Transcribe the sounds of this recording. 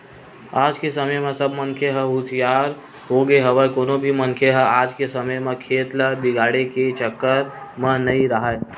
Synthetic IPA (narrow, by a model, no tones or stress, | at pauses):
aːd͡ʒkesəməjmẽsəbmənkʰeɦəut̪ʰijaɾ | ɦoɡeɦəʋəkonobʱimənkʰeɦəad͡ʒkesəməjmekʰet̪ləbiɡaɽeket͡ʃəkːəɾmənəiɾəɦəj